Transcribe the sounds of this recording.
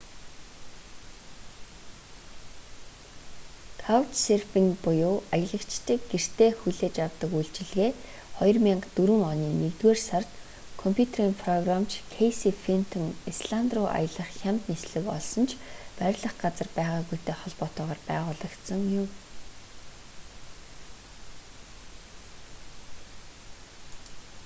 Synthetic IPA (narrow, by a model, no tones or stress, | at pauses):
t̪ʰawt̪serpiŋpʊjʊːajə̆ɮə̆kt͡ɕt̪ʰĭːkɡer̥t̪ʰeːxuɮeːt͡ɕjawt̪ə̆kujɮt͡ɕɪ̆ɮɣeː | χɔjɞ̆rmʲiɴɢt̪uɾŭŋɔniːnekt̪weːrsart̪ | kʰɔmpʰjut̪ʰeɾiːmpʰrɔɣramt͡ɕʰkʰejsifin̥t̪ʰɔŋisɮant̪rʊːʔa̰jə̆ɮə̆χxʲamt̪nesɮɘ̆kɔ̰ɮsɞ̆nt͡ɕʰpæɾʲɮə̆χɢat͡sə̆rpæːʁaːɣujt̪ʰeːχɔɮpɔt̪ɔːʁaːrpæːʁʊːɮə̆kt̪sə̆ŋjʊm